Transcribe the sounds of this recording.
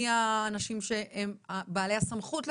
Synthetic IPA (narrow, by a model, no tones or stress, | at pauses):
aːnaʃimʃe̞emabaːlejhasamχutl